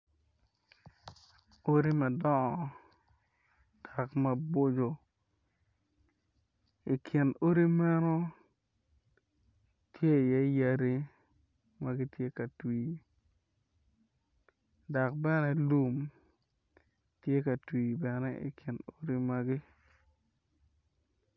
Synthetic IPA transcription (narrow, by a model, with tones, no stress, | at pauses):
o˦ɾi˦mɛ˨dɔ˦ɔ˨ | d̥a˨kma˨bo˦d͡ʒo˨ | ɪ˨kʰɪ˨no˦ɾi˦mɛ˦no˦ | tʰje˦˨jɛ˦ja˦ɾi˦ | ma˨ɡɪ˦tje˦ka˨twiː˨ | da˨k̚bɛ˦nɛ˨lu˦m | tje˦ka˨twiː˨bɛ˨nɛ˦ɪ̰˨kʰɪ˨no˦ɾi˦ma˨ɡɪ˦